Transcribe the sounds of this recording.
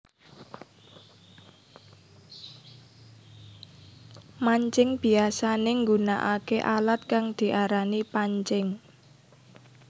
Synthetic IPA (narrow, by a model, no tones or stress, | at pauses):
maɲt͡ʃɪŋb̥i̤asaneŋɡunaʔakeʔalat̪̚kaŋd̪̥i̤ʔaɾanipaɲt͡ʃɪŋ